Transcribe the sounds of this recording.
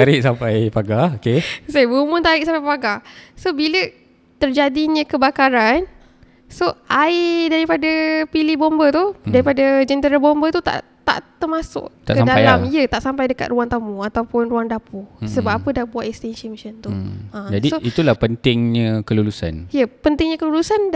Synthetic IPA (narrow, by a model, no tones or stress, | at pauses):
aɾɪʔ̚sampajpaɡaokesajbumʊ̃nt̪aɾɪʔsampajpaɡasobilə | t̪ərd͡ʒadiɲə̃kəbakaɾan | soʔaɪdaɾipadapilihbɔmbət̪udaɾipadad͡ʒənt̪əɾəbɔmbət̪ut̪a̰ʔ | t̪a̰ʔt̪əmasʊ̰kt̪aʔədalamiət̪aʔsampajdəka̰t̪̚ruaŋt̪amuat̪awpʊnruaŋdapusəbap̚apədabuwat̪ʔ̪ɛkst̪ɛnʃəmʃənt̪uad͡ʒadisoʔit̪ulapənt̪ɪŋɲəkəlulusa̰nijəpənt̪ɪŋɲə̃kəlulusan